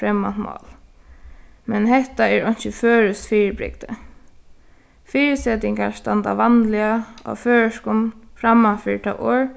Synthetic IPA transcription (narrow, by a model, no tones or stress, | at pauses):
fɾɛmːant̪mɑ̰ːl | mɛnɦɛht̪aɛɹɔjn̥t͡ʃɪføːɾʏsfiːɹbɾɪ̰k̚t̪ə | fiːɹɪsɛt̪ɪŋkaɹst̪ant̪a̰ʋanlɪaɔ̰føːɹəʂkɔmfɾamafɪɹt̪ʰɑ̰ːʔo̰ːɹ